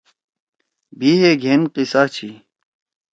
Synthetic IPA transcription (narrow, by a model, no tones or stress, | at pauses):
bʱiːɦeɡʱenqisaːt͡ɕʰi